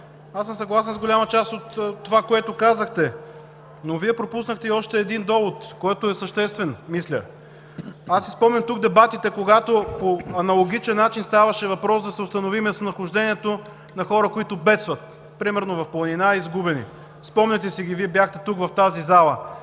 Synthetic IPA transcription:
asəmsɐɡlˠas̬ɛnzɡolʲamɐt͡ʃast̪ot̪tːovakoɛt̪okazəxt̪ɛ | noviɛpɾopusnəxt̪ɛiɔʃt̪ɛːd̪ind̪ɔvot̪koɛt̪ʊɛsɐʃt̪ɛst̪vɛnmislʲə̰ | asi̥spɔmnʲɐmt̪uɡ̚d̪ɛbat̪it̪ɛkoɡat̪opoɐnɐlˠoɡʲit͡ʃɛnːat͡ʃinst̪avɐʃɛvɐpɾɔsd̪ɐsɛʊst̪ɐnovimɛst̪nɐxʊʒd̪ɛnʲiɛt̪o | nɐxɔɾəkoit̪ʊbɛt̪st̪vɐt̪̚ | pɾimɛɾnovɐfplˠɐninaizɡubɛnḭ | spɔmnʲɛt̪ɛsiɡʲiviɛbjaxt̪ɛt̪ukvɐft̪azizalˠə

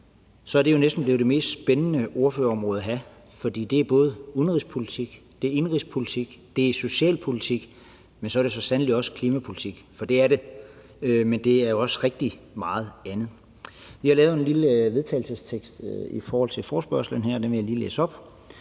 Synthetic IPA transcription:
sɒ̽æɐɾ̥e̝jo̝nesd̥n̩b̥le̝ʊd̥e̝me̝̰ːsd̥sb̥enənəo̝ɐføɐɒ̽mʁɔ̽ːð̩ˠæɦæ | fɒ̽d̥ḭːd̥e̝æɐb̥ɔ̽ːð̞̩ˠunʁispʰo̝lit͡sʰiɡ̥d̥e̝æɐe̝nʁispʰo̝lit͡sʰiɡ̥d̥e̝so̝ɕɛ̰ːlpʰo̝lit͡sʰiɡ̥ | mensɒ̽æɐɾ̥e̝sɒ̽sænəlid̥ɒ̽skʰliːmæpʰolit͡sʰiɡ̥fɒ̽d̥e̝æɐɾe̝ | ømend̥e̝æɐjo̝ɒ̽sʁeɡ̥̚d̥i | mɑ̈ːð̞̩ˠænð̩ˠ | ʋihɑlɛːʊe̝nliləʋe̝ðˠt͡sʰɛ̰ːɪl̩səst͡sʰeɡ̥sd̥ifɒːhɒ̽l̰t͡sʰe̝fɒːsb̥ɶɐ̰slən̩ɦæɐ̰d̥enʋejaliːlḛːsɒ̽b̥

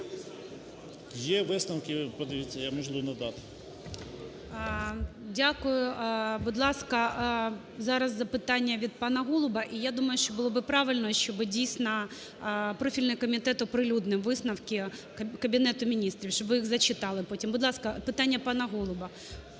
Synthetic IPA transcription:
jɛʋɪsnɐwkɪpɔd̪ɪʋʲit͡sʲːɐjamɔʒlˠunɐd̪ɑt̪ɪ̥ | dʲakʊjʊbʊd̪lˠɑskɐ | zɑɾɐzːɐpɪt̪ɑnʲːɐʋʲid̪̚pɑnɐɦɔlˠʊbɐʔijad̪umɐjʊʃt͡ʃɔbʊlˠɔbɪpɾɑʋɪlʲnɔʃt͡ʃɔbɪdʲijsʲnɐ | pɾɔfʲilʲnɪjkɔmʲit̪ɛt̪ɔpɾɪlʲud̪nɪmʋɪsnɐwkʲɪ | kɐbʲɪnɛt̪ʊmʲinʲist̪ɾʲiwʃt͡ʃɔbʋɪjiɣzɐt͡ʃɪt̪ɑlˠɪpɔtʲimbʊd̪lˠɑskɐpɪt̪ɑnʲːɐpɑnɐɦɔlˠʊbɐ

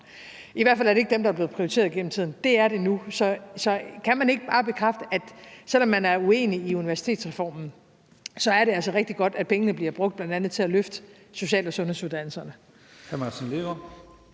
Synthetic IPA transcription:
iʋæɐ̰fælæɐɾee̝ɡ̥əd̥emd̥ɑ̈æble̝ð̩ˠpʰʁioit͡sʰe̝ːɐðˠiɡ̥enm̩t͡sʰið̰ˠn̩d̥e̝æɐɾe̝nusɒ̽sɒ̽kʰæmæne̝ɡ̥əb̥ɑ̈ːb̥e̝kʰʁafd̥əʔæd̥sel̰ɒ̽mːænæɐue̝̰ːniːuniʋæɐsi̥t͡sʰe̝̰ːd̥sʁɛfɒ̰ːmn̩ | sɒ̽æɐɾe̝ælsɐʁeɡ̥d̥iɡ̥ɒ̽d̥æd̥̚pʰeŋənəb̥liɐb̥ʁɔ̽ɡ̥̚d̥̚b̥lænd̥ænð̞̩ˠt͡sʰe̝æløfd̥ə | so̝ɕɛ̰ːlɒsɔ̽nhe̝ðˠsuðˠd̥æn̰l̩sɐnə | hʰæmɑsnleʋɐ

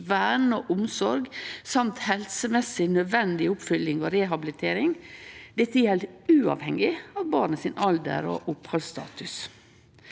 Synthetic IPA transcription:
ʋæːɳoːʔʊmsɔɾɡsɑmt̪hɛlsəmɛsɪnœd̪ʋɛnd̪ɪʊpfʏlːɪŋo̰ːɾɛɦɑbɪlɪt̪ʰeːɾɪŋd̪ɛt̪ːəjɛlʉːɑ̰ʋhɛŋɪɑːʋbɑːɾɳəsɪnʔɑld̪ə̰ɾo̰ʔʊphɑlst̪ɑ̰ːt̪ʉs

